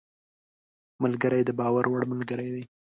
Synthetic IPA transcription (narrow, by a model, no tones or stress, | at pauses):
malɡəɾəjd̪əbɑwaɾwaɽmalɡəɾəjd̪aj